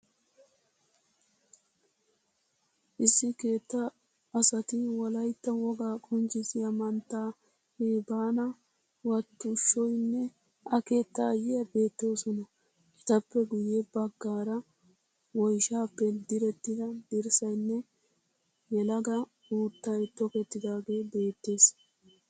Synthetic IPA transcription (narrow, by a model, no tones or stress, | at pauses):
ʔɪsːɪke̞ːt̪ːɐː | sɐt̪ɪwɔlɐjt̪ːɐwɔɡaːkʼɔnt͡ʃɪzɪjɐmɐnt̪ːaː | heːbaːnɐ | wɐt̪ːʊʃːɔjnːɛ | ʔɐke̞ːt̪ːɐjɪjɐbe̞ːt̪ːo̞ːsɔnɐ | ʔɛt̪ɐpːɛɡʊjebɐɡːaːɾɐ | wɔjʃaːpːɛd̪ɪɾɛt̪ːɪd̪ɐd̪ɪɾsɐjnːɛ | jɛlɐɡɐ | uːt̪ːɐjt̪ːɔkɛt̪ːɪd̪aːɡe̞ːbe̞ːt̪ːe̞ːs